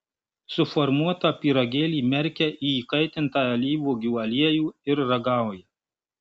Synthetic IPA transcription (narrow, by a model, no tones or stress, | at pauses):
sʊfɔɾmuɔt̪ɑːpʲiːɾɔɡʲeːlʲiːmʲɛɾʲkʲɛʔiːiːkɐɪt̪ʲɪnt̪ɑːɛlʲiːʋuːɡʲuːɐlʲiɛjuːɪɾɾɐɡɑˑʊjɛ